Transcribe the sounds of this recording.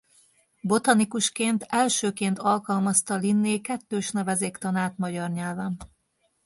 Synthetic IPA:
bo̞t̪ɒnikuʃkeːnt̪ɛlʃøːkeːnt̪ɒlkɒlmɒst̪ɒlinːeːkɛt̪ːøːʃnɛvɛzeːkt̪ɒnaːt̪mɒɟɒrɲɛlvɛn

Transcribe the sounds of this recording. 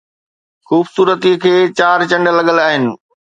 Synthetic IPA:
xuːbsuːɾət̪ikʰeːt͡ɕaːɾt͡ɕɐ̃ɳɖəlɐɠəlaːɦɪnɪ̆

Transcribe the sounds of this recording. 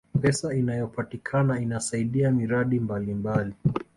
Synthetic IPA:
pɛsainajɔpatikʰanainasaiɗiamiɾaɗimbalimbali

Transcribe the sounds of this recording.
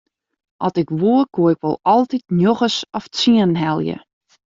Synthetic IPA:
ʔɔ̰tɪkʋuəkoəɪkʋɔ̰lˠɔlˠtitnjoxəsɔft͡siənɦɛlˠjə̰

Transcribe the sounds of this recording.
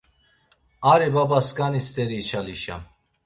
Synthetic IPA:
aɾɛbabaskanist̪ʰʼɛɾiːt͡ʃʰaliʃa̰

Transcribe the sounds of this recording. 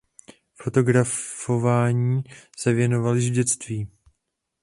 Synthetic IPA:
fo̞t̪o̞ɡɾaffo̞vaːɲiːsɛvjɛno̞valɪʒɟɛt͡st̪viː

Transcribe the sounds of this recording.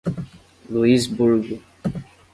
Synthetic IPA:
luizbuɾɡu

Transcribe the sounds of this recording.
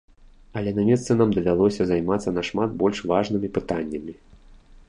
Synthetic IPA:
ɐlʲɛnamʲɛst̪sɨnamd̪ɐvʲalˠɔsʲɐzajmat̪sːɐnaʂmat̪̚bɔlʲʂvaʐnɨmʲipɨt̪anʲːɐmʲi

